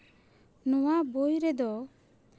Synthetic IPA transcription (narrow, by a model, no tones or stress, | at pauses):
nɔwabojɾɛd̪ɔ